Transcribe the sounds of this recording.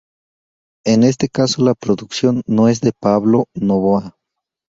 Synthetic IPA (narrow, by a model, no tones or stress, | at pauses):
ene̞s̬t̪e̞kaso̞lapɾoðuksjo̞nːoe̞zðe̞paβlo̞noβoa